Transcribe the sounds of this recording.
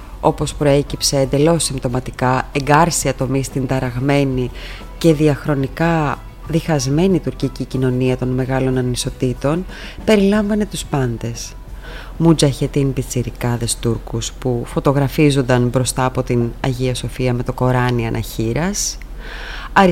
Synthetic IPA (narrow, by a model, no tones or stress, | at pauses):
o̞po̞spɾo̞e̞cipse̞ːnd̪e̞lo̞sːimt̪o̞mɐt̪ikɐe̞ŋɡɐɾsiɐt̪o̞mist̪ind̪ɐɾɐɣme̞ni | ce̞ðiɐxɾo̞nikɐ | ðixɐzme̞nit̪uɾcicicino̞niɐt̪o̞nme̞ɣɐlo̞nɐniso̞t̪it̪o̞n | pe̞ɾilɐɱvɐne̞t̪uspɐnd̪e̞s | mud͡ʒɐçe̞t̪inbit͡siɾikɐðe̞st̪uɾkuspufo̞t̪o̞ɣɾɐfizo̞nd̪ɐnbɾo̞st̪ɐːpo̞t̪inɐ̰ʝioso̞fiɐme̞t̪o̞ko̞ɾɐniɐnʔɐ̰çiɾɐs | ɐ